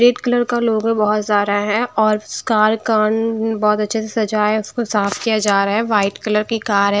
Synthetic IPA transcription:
ɾeːɖkɐləɾkaloːɡɛ̃bɔɦɔt̪zaːɾaɦɛ̃ɔːɾskaːɾkaːnbɔːt̪ɐtːʃʰesesɐd͡ʒaːʊskosaːfʰkijad͡ʒaːɾaaɦɛʋaːɪʈkɐləɾkikaːɾɦɛ̃

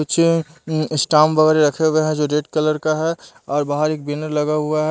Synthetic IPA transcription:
ʊtːt͡ʃʰeɪsʈaːmʋəɣɛːɾeɾɐkʰeɦʊeɦɛ̃d͡ʒoɖeːʈkələɾkaɦɛ | ɔːɾbaːɦəɾeːk̚bɪnəɾlɐɡaɦʊaɦɛ

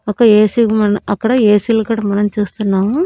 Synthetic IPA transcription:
ɐkːɐeːsiɡmɐnɐɐkːɐɽɐeːsilɐkɐɽɐmɐnɐnt͡ʃeːst̪unːaːʋu

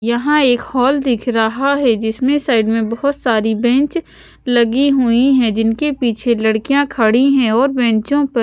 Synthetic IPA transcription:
jɐɦãeːkhɔːld̪ɪkʰɾɐɦaɦɛd͡ʒɪsmẽsaːɪɖmẽbɐɦʊt̪saːɾibɛ̃ːnt͡ʃ | lɐɡiɦʊiɦɛ̃d͡ʒɪnkepiːt͡ʃʰelɐɽkijãkʰɐɽiɦɛ̃ɔːɾbɛ̃ːt͡ʃõpɐ

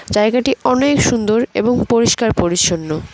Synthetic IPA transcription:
d͡ʑaeɡaʈiɔnekʃund̪oɾḛboŋpoɾiʃkaɾpoɾit͡ɕonːo

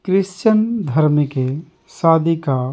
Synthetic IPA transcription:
kɾɪst͡ʃənd̪ʱəɾmike | saːd̪ika

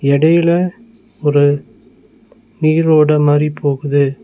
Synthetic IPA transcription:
ɛɽɐjɪlɐ | ɔɾɯ | niːɾoːɽɐmaːɾipʰoːɣɯðɯ

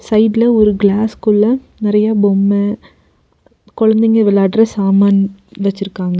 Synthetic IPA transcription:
sɐɪɖlɐɔɾɯɡɭaːskʊɭːɐ̃ | nɪɾɐjaːbɔmːɐ | kɔɻɐnd̪ɪŋɡɐʋɪlːaɖɾɐsaːmaːnʋɐt͡ʃːɪɾɯkːaːŋɡɐ

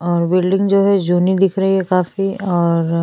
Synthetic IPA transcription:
ɔːɾbɪlɖɪ̃ŋɡd͡ʒoːɦɛd͡ʒuːnid̪ɪkʰɾɐɦiɦɛkaːfiɔːɾ

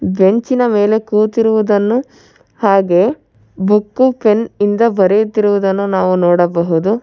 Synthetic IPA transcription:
be̞ɲt͡ʃinɐme̞ːle̞kuːt̪iɾuʋud̪ɐnːu | haːɡe̞ː | bukːupʰenind̪ɐbɐɾejut̪ːiɾuʋud̪ɐnːunaːʋunɔːɽɐbɐɦud̪u

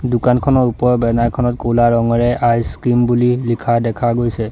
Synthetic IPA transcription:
dʊkankʰɔnɔɹupɔɹɔbɛnajkʰɔnɔtkolaɹɔŋɔɹɛʔajskimbulilikʰadɛkʰaɡojsɛ

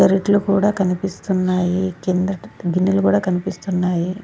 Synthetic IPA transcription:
ɐɾiʈlukuːɽaːkɐnipist̪unːaːjikeːnd̪ɾɐɡinːilukuːɽaːkɐnipist̪unːaːji

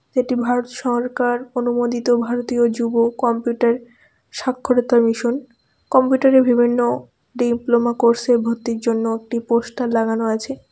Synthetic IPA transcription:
d͡ʑeʈibʱaɾot̪ʃɔɾkaɾonumod̪it̪obʱaɾot̪iod͡ʑubokɔmpjuʈaɾ | ʃakʰːoɾet̪amiʃon | kɔmpjuʈaɾebibʱinːo | ɖimplomakoɾsebʱot̪ːiɾd͡ʑonːoek̚ʈipoʃʈalaɡanoat͡ɕʰe

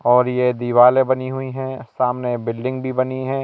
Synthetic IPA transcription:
ɔːɾjed̪iʋaːlebɐniɦʊiɦɛ̃saːmnebɪlɖɪ̃ŋɡbʱibɐniɦɛ̃ː

